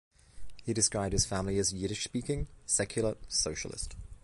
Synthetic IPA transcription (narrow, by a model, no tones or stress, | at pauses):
hidɨskɹaɪb̥̚ɨz̥fæ̃mliɨzjʉɾɪʃspiˑkɪ̃ŋsɛkʰjl̩ˠəsoʊʃəl̩ˠɪ̰st